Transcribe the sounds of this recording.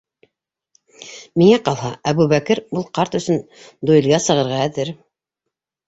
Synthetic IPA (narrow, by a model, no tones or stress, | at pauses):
miŋæqɑlˠhɑæβʉβækɘɾulˠqɑɾt̪ɵ̆sɵn | d̪ujɤ̆lɡɑsɤ̆ʁɤ̆ɾʁɑæðɘɾ